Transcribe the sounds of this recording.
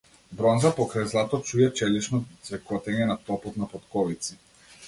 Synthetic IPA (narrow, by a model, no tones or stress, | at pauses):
bɾɔnzapɔkɾajzlˠat̪ɔt͡ʃujɛt͡ʃɛliʃnɔt̪svɛkɔt̪ɛɲɛnat̪ɔpɔt̪napɔt̪kɔvit̪si